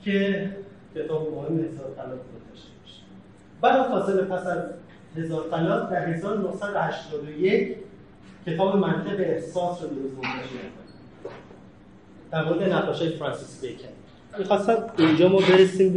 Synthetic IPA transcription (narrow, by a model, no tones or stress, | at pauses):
cʰe̞ | cʰe̞t̪ʰɒːbemohemːehe̞zɒːɾt̪ʰælɒːt̪d̪od̪ɒʃt̪ebɒʃe̥ | bælɒmxɒːselepʰæsæz | he̞zɒːɾt̪ʰælɒːt̪d̪æɾɦe̞zɒːɾonohsæd̪ohæʃt̪ɒːd̪oje̞cʰ | cʰːe̞t̪ʰɒːbemænt̪ʰebeːhsɒːsɾod̪oɾuzɡomd̪ɒʃmækʰoni | d̪̥æɾmoːɾed̪enæʁɒːʃɒːjefɾɑnsisbekʰæn | ixɒːst̪æd̪̚beind͡ʒɒːmɒːbe̞ɾesiːm